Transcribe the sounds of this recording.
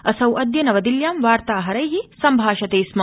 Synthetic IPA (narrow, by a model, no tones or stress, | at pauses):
ɐsɐwʔɐd̪jɐnɐʋɐd̪iljaːmʋaːɾt̪aːɦɐɾɐjɦisɐmbʱaːʃɐt̪eːsmɐ